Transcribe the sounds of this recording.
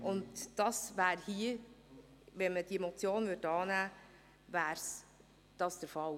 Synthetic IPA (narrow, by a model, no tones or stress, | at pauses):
ʔʊndd̥ɑsʋæːɾhiə | ʋɛnməd̥iemɔt͡sjoːnvʏtɑːnæː | ʋæːɾs | d̥ɑsd̥əɾfɑl